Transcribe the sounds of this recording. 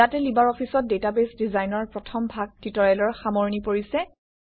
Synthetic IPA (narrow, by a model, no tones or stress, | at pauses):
jatɛlibaɹɔpʰisɔt̚detabesdizajnɔɹpɹɔtʰɔmbʱaɡ̚titɔɹɛlɔɹxamoɹnipoɹisɛ